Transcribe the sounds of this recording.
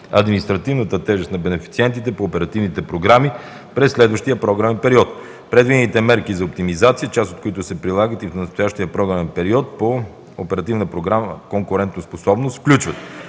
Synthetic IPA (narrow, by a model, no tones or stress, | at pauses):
ɐ̰d̪minist̪ɾɐt̪ivnət̪ət̪ɛʒɛst̪nɐbɛnɛfit̪siɛnt̪it̪ɛpoːpɛɾɐt̪ivnit̪ɛpɾoɡɾami | pɾɛsːlɛd̪vəʃt̪ijəpɾɔɡɾavɛnpɛɾiɔt̪ | pɾɛd̪vid̪ɛnit̪ɛmɛɾkizɐop̚t̪imizat̪sijət͡ʃast̪ot̪koit̪ʊsɛpɾilˠaɡət̪ifnɐst̪ojaʃt̪iəpɾɔɡɾavɛnpɛɾiɔt̪̚po | opɛɾɐt̪ivnəpɾoɡɾaməkoŋkʊɾɛnt̪nosposɔbnost̪fklʲut͡ʃvət̪